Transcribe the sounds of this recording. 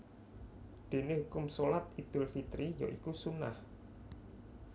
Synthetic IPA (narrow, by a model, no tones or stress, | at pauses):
d̪̥e̤nehukʊmsolat̪̚id̪̥ʊlfit̪ɾijo̰ʔikusuna̰h